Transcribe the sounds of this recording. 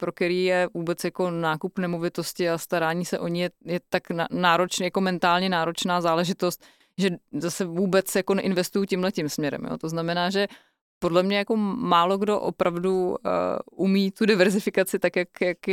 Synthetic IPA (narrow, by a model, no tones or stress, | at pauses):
pɾo̞k̪ɛɾiːjɛvuːbɛt͡sjako̞naːkupnɛmo̞vɪt̪o̞scɪast̪aɾaːɲiːsɛʔo̞ɲɪɛjɛt̪aknanaːɾot͡ʃnjako̞mɛnt̪aːlɲɛnaːɾo̞t͡ʃnaːzaːlɛʒɪt̪o̞st̪̚ | ʒɛzasɛvuːbɛt͡sjako̞nɛʔɪnvɛst̪ujucɪmlɛcɪmsmɲɛɾɛ̰mjo̰t̪o̞znamɛnaːʒɛ | po̞dlɛmɲɛjako̞maːlo̞ɡdo̞ʔo̰pɾavdṵ | ʔumiːt̪udɪvɛɾzɪfɪkat͡sɪt̪akjakjak